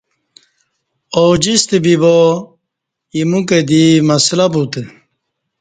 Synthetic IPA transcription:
oːd͡ʑist̪ebibo | imuked̪imɐslɐbut̪e

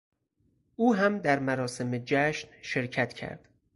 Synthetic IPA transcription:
ʔuːɦæmd̪æɾmæɾɒːse̞med͡ʒæʃnʃe̞ɾcʰæt̪ʰcʰæ̰ɾd̪̥

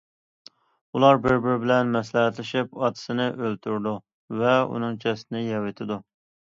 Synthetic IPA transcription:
ulˠɑɾbɪɾbɪɾbɪlɛnmɛslæɦɛt̪lɪʃɪpɑt̪ʰɨ̥sɪnɪʔølt̪ʰyɾd̪u | vɛṵnɨŋt͡ʃʰɛsɪnɪjɛwɪt̪ʰɪd̪u

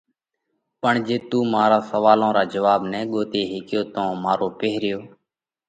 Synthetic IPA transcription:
pəɳd͡ʒeːt̪ũːmaːɾaːsəʋaːlõːɾaːd͡ʒəʋaːbnɛ̃ːɠoːt̪eːɦɪkɪjoːt̪õːmaːɾoːpeːɾɪjoː

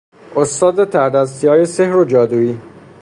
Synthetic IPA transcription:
ost̪ɒːd̪et̪ʰæɾd̪æs̬t̪ijɒːjesehɾod͡ʒɒːd̪uːiː

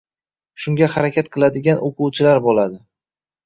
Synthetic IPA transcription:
ʃʊŋɡʲahaɾakʲʰat̪qʰɨlˠad̪ɪɡʲanʔoqʰʊwt͡ʃʰɪlaɾbolad̪ɪ

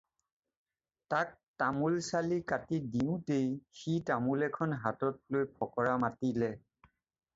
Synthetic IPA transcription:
tak̚tamulsalikatidiʊ̃tejxitamulɛkʰɔnɦatɔt̚lojpʰɔkɔɹamatilɛ

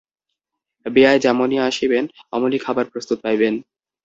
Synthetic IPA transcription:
beaed͡ʑamonijaaʃibenɔ̰molikʰabaɾpɾost̪ut̪̚pajben

